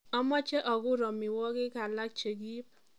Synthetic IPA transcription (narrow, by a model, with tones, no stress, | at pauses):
ɔ˦mɔ˦t͡ʃɛ˦ʔɔ˨ɡʊ˦ɾɔ˨mɪ˨wɔ˦ɡɪ˦ka˨la˦k̚t͡ʃe˨ɡi˦p̚